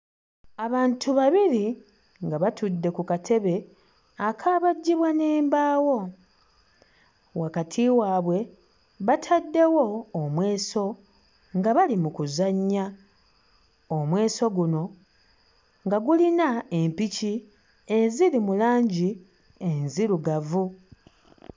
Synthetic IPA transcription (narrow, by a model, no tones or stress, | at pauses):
aβaːntʰuβaβiɾi | ŋɡaβatudːe̞kukatʰe̞βe̞ | akʰaβaɟːiβwane̞ːmbaːwo̞ | wakatʰiwaːβwe̞ | βatʰadːe̞wo̞ːmwe̞ːso̞ | ŋɡaβalimukuzaɲːa | omwe̞ːso̞ɡuno̞ | ŋɡaɡulinaempici | e̞zilimulaːɲɟi | enziɾuɡavu